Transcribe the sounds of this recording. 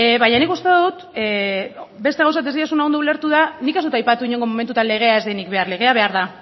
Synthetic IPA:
βaɲanikust̪e̞ððut̪ | be̞st̪eaws̬aat̪e̞zðiasuneond̪oule̞ɾt̪uðanike̞zðut̪ajpat̪uiɲo̞ŋɡo̞mo̞me̞nt̪̬ut̪anle̞ɣ̞e̞ae̞zðejnikβe̞arle̞ɣ̞e̞aβe̞aɾða

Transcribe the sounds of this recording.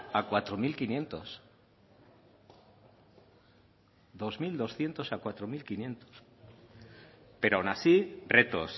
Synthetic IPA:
akwat̪ɾomilkinjẽ̞nt̪o̞̰s | d̪o̞zmild̪o̞sθje̞nt̪o̞sakwat̪ɾomilkinjẽ̞nt̪o̥s | pe̞ɾoawnasiret̪o̰s

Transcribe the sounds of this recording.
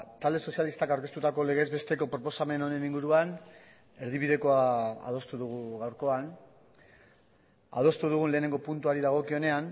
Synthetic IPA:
t̪ald̪eso̞sjalist̪akawɾke̞st̪ut̪ako̞le̞ɣ̞ezβe̞st̪e̞ko̞pɾo̞po̞same̞no̞ne̞niŋɡuɾuan | e̞ɾðiβið̞e̞ko̞aa̰ð̞o̞st̪uðuɣ̞uɣawɾko̞an | a̰ð̞o̞st̪uð̞uɣ̞unle̞ːne̞ŋɡo̞punt̪uaɾiðaɣ̞o̞kio̞ne̞an

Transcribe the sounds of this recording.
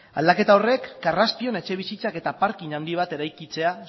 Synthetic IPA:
ald̪ake̞t̪ao̞re̞kːaraspio̞ne̞t͡ʃe̞β̞isit͡sake̞t̪apaɾkinand̪iβ̞at̪e̞ɾajkit͡se̞a

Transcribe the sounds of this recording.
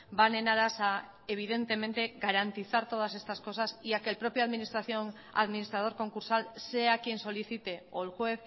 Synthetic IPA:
bane̞naðasa | eβ̞iðe̞nt̪e̞mẽnt̪eɡaɾant̪iθaɾt̪o̞ð̞ase̞st̪asko̞sasiakelpɾo̞pjoaðminist̪ɾaθjon | a̰ðminist̪ɾað̞o̞ɾko̞ŋkuɾsalseakje̞nso̞liθit̪e̞oelxwe̞θ

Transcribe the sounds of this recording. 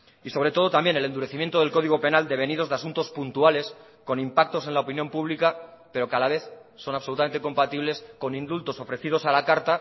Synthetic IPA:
iso̞βɾe̞t̪o̞ð̞o̞t̪ambje̞nele̞nuɾe̞θimjent̪o̞ð̞e̞lko̞ðiɣ̞o̞pe̞nald̪e̞βe̞nið̞o̞zðeasunt̪o̞spunt̪uale̞s | ko̞nimpak̚t̪o̞s̬e̞nlaopinjo̞mpuβlikape̞ɾo̞kalaβ̞e̞θso̞naβsout̪ame̞nt̪eko̞mpat̪iβle̞sko̞nĩnd̪ult̪o̞so̞fɾe̞θið̞o̞salakaɾt̪a

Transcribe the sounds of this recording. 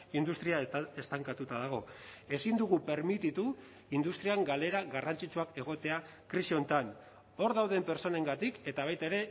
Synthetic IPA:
ind̪ust̪ɾiaest̪aŋkat̪ut̪aðaɣ̞o̞e̞sind̪uɣupeɾmit̪it̪u | ind̪ust̪ɾiaŋɡale̞ɾaɣarant͡sit͡ʃuake̞ɣ̞o̞t̪e̞a | kɾiʃiont̪an | o̞ɾðawðe̞mpe̞ɾt͡so̞ne̞ŋɡat̪ike̞t̪aβ̞ajt̪aeɾe̞

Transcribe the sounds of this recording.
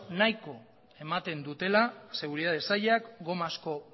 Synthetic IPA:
najko̞ | e̞mat̪e̞nd̪ut̪e̞lase̞ɣ̞uɾiðaðesaʎakɡo̞masko̞

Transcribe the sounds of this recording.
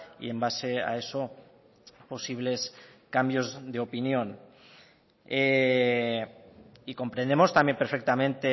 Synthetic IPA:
ḭembasea̰eso | posiβ̞leskambjozðeopinjon | e | ikompɾend̪emost̪ambjempeɾfek̚t̪amẽnt̪e

